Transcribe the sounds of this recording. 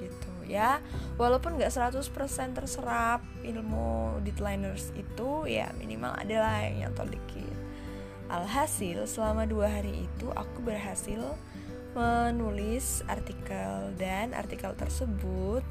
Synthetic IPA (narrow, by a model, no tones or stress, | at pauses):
ɡit̪ujawalawpʊnŋɡaʔsəɾat̪ʊspərsɛnt̪ərsəɾap̚ilmṵdɛt̪lajnərsit̪uja̰mḭnima̰la̰dalahja̰ŋja̰ŋt̪o̰dikʰɪ̰t̪̚ | ʔalɦasɪlsəlamaduaɦaɾiʔḭt̪uʔa̰kubərɦasɪl | mənulɪsa̰rt̪ikaldanʔa̰rt̪ikalt̪ərsəbut̪̚